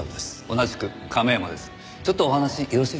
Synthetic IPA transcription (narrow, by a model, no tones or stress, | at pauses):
d̪eso̞naʑi̥kɯ̟ | kʰame̞mad̪e̞sɨ̥ | t͡ɕo̞t̪ːoːhanaɕiʔoɾoɕi